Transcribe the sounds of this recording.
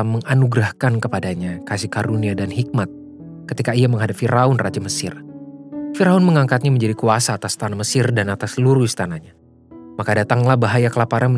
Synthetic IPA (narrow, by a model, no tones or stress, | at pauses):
məŋanuɡɾahkankəpadaɲakasihkaɾuniadanɦik̚mat̪̚ | kət̪ikaiaməŋɦadapfiɾaʊnrad͡ʒaməsɪr | fiɾaʊnməŋaŋkat̪̚ɲaməɲd͡ʒadikuasaːt̪ast̪anaməsɪrdanat̪asəluɾuist̪anaɲa | makadat̪aŋlahbaɦajakəlapaɾanmə